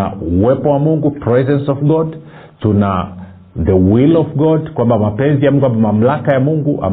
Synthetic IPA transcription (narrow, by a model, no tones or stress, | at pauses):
a̰uwɛpɔwamuŋɡupɹɛzɛnsɔvɡɔd | tuna̰ | ðəwilɔvɡɔdkwambamapɛnzijamuŋɡuabamam̩lakajamuŋɡuʔa̰